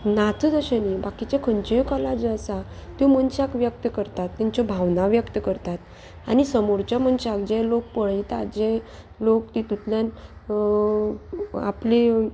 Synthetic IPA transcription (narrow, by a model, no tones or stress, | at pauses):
nat̪ʰd͡zəɕənibakit͡ɕekʰənt͡ɕejkɔlad͡ʑəsat̪jum̤əɳɕakʋjək̚t̪əkəɾt̪at̪ːaɲt͡ɕɔbʱaʋnaʋjəkt̪əkəɾt̪at̪ | a̰ñisəmoɾt͡ɕam̤əɳɕakd͡ʑelok̚pəɭit̪a̰d͡ʑe | lokt̪it̪it̪ljan | a̰pli